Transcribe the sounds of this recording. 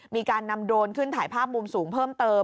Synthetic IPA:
miː˧kaː˧nːa˧mdoː˧nkʰɯ˥˩nt̪ʰaː˩˦jpʰaː˥˩p̚mu˧msuː˩˦ŋpʰɤː˥˩mt̪ɤː˧

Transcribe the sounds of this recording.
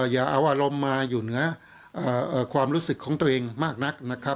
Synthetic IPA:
jaː˨˩ʔa˧wʔaː˧ɾo˧mːaː˧juː˨˩nɯ˩˦ɐ | ʔɤː˨˩ʔɤː˨˩kʰwaː˧mɾuː˦˥sɯ˨˩kʰːɔː˩˦ŋt̪u˧ɐʔeː˧ŋmaː˥˩k̚na˦˥k̚na˦˥kʰɾa˦˥p̚

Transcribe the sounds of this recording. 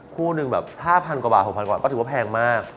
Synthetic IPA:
kʰuː˥˩nɯ˧ŋbɛː˨˩p̚haː˥˩pʰa˧nkwa˧ba̰ː˨˩t̪ho˨˩k̚ʰa˧kːɔ˥˩t̪ʰɯ˩˦a˥pʰɛː˧ŋmaː˥˩k̚

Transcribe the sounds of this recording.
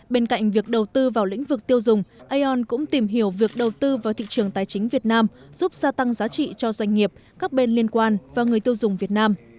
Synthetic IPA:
ɓe˧nka̰˧˨jŋ̟vi˨˩ək̚ɗə˨˩wt̪ɨ˧vaː˨˩wlḭ̈˧˥ŋ̟vɨ˨˩k̚t̪i˧əwzʊ˨˩ŋ͡mʔə˧jʔɔ˧nkʊ̰˧˥ŋ͡mt̪i˨˩mɦi˧˩əwvi˨˩ək̚ɗə˨˩wt̪ɨ˧vaː˨˩t̪ʰḭ˧˨t͡ɕɨ˨˩əŋt̪aː˨˩jt͡ɕï˨˦ŋ̟vi˨˩ət̚naː˧mz̥u˦˥p̚z̥aː˧t̪a˧ŋzaː˨˦t͡ɕḭ˧˨t͡ɕɔ˧zwa˧jŋ̟ŋi˨˩əp̚kaː˦˥k̚ɓe˧nli˧ənkwaː˧nvaː˨˩ŋɨ˨˩əjt̪əwzʊ˨˩ŋ͡mvi˨˩ət̚naː˧m

